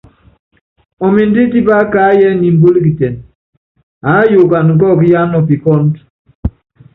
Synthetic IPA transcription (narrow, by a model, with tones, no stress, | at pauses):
o˨mi˨n̩˦di˦ti˦ba˦ka˦jɛ˦ni˨m̩˦bo˦li˦ki˨tɛ˨n | a˨˦jo˨ka˨n˨ŋ̩˨k̬ɔ˦˨k̬i˦ja˦nɔ˦˨pi˨kɔ˦n˦t